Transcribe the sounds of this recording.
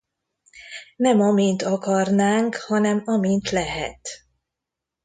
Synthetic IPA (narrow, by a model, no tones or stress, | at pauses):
nɛmɒmint̪ɒkɒrnaːŋkhɒnɛmɒmint̪lɛɦɛ̰t̪